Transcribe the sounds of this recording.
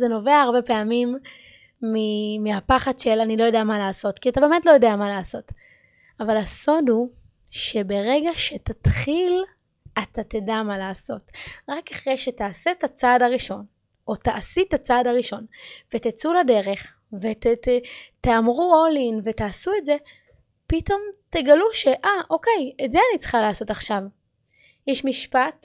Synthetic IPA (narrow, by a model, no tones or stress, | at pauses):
zeno̞veaaʁbe̞peamimː | imiapaχadʃe̞lanilo̞jodeamalaːso̞tkiatabe̞metlojo̞deamalaːso̞t | avalaso̞dhu | ʃe̞be̞ʁeɡaʃe̞tatχil | atatedamalaːso̞tʁakaχʁejʃetaːsetat͡saːdaʁiʃo̞n | o̞taʔasitat͡saːdaʁiʃo̞nvetet͡sulade̞ʁe̞χ | veteteamʁuolinve̞taːsuetze̞ | pito̞mteɡaluʃe̞ʔaʔo̞kejetzeanit͡sχalaːso̞taχʃav | jɛʃmiʃpat